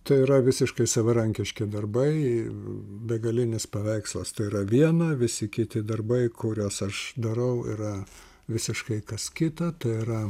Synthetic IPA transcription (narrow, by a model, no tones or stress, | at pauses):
t̪ɐɪɪɾɐʋʲɪsʲɪʃkɐɪsɐʋɐɾɐŋʲkʲɪʃʲkʲɪd̪ɐrbɐɪ | bʲɛɡɐlʲɪnʲɪspɐʋʲɛɪkslˠɐst̪ɐɪɪɾɐʋʲiɛnɐʋʲɪsʲɪkʲɪt̪ʲɪd̪ɐrbɐɪkʊɾʲoːsɐʃd̪ɐɾɐʊḭɾɐ | ʋʲɪsʲɪʃkɐɪkɐskʲɪt̪ɐt̪ɐɪɪɾɐ